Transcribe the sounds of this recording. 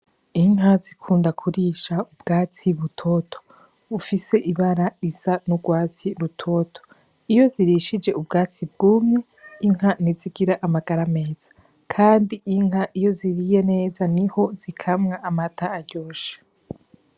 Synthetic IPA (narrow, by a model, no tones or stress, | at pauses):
iŋɦazikʰuːndakʰuɾiʃaubɡaːt͡siβutʰo̞tʰo̥ | ufise̞ʔiβaɾaizanuɡwaːt͡siɾutʰo̞tʰo̥ | ijo̞ziɾiːʃid͡ʒe̞ubɡaːt͡sib̚ɡuːmɲe̞ | iŋ̥ɦaniziɡiɾaʔamaɡ̥aɾame̞ːz̥ḁ | kʰaːndiiŋɦaʔijo̞ziɾije̞ne̞ːzaniho̞zikʰamŋaamatʰaːɾɟoːʃe̥